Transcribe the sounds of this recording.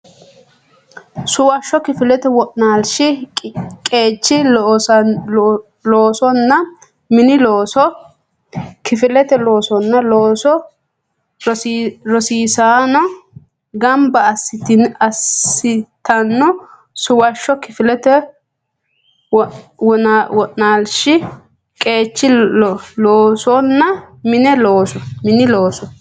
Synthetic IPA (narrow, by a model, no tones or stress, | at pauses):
sʊwɐʃːɔkɪfɪlɛt̪ɛwɔʔnaːlʃɪ | kʼe̞ːt͡ʃːɪ | loːsɔnːɐ | mɪnɪloːsɔ | kɪfɪlɛt̪ɛloːsɔnːɐloːsɔ | ɾɔsiːsaːnɔ | ɡɐmbɐːsːɪt̪ɪɐsːɪt̪ɐnːɔ | sʊwɐʃːɔkɪfɪlɛt̪ɛ | wɔnawɔʔnaːlʃɪ | kʼe̞ːt͡ʃːɪɔloːsɔnːɐmɪnɛloːsɔmɪnɪloːsɔ